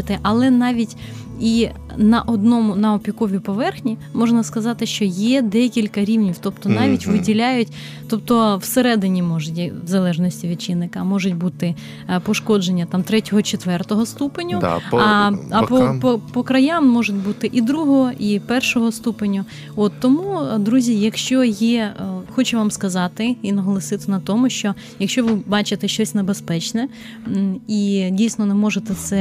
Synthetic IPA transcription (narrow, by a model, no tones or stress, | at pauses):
ɪt̪ɪʔɐlˠɛnɑʋʲitʲ | i | nɐʔɔd̪nɔmʊnɐɔpʲikɔʋʲipɔʋɛrxnʲimɔʒnɐskɐzɑt̪ɪʃt͡ʃɔjɛd̪ɛkʲilʲkɐɾʲiwnʲiwt̪ɔp̚t̪ɔnɑʋʲitʲʋɪdʲilʲajʊtʲ | t̪ɔp̚t̪ɔwseɾɛd̪ɪnʲimɔʒʊtʲʋzɐlˠɛʒnɔsʲtʲiʋʲid̪t͡ʃɪnːɪkɐmɔʒʊt̚ʲbut̪ɪ | pɔʃkɔd͡ʒenʲːɐt̪ɑmt̪ɾɛtʲɔɦɔt͡ʃet̪ʋɛrt̪ɔɦɔst̪upenʲːʊ | ɐppɔpɔkɾɐjamːɔʒʊtʲbut̪ɪʔid̪ɾuɦɔɦɔʔipɛrʃɔɦɔst̪upenʲːʊ | ɔt̪ːɔmud̪ɾuzʲijɐkʃt͡ʃɔjixɔt͡ʃɛʋamskɐzɑt̪ɪinɐɦɔlˠɐsɪt̪ɪnɐt̪ɔmʊʃt͡ʃɔ | jɐkʃʲt͡ʃɔʋɪbɑt͡ʃɪt̪ɛʃt͡ʃɔsʲnebespɛt͡ʃnɛ | idʲijsnɔnɛmɔʒet̪ɛsɛ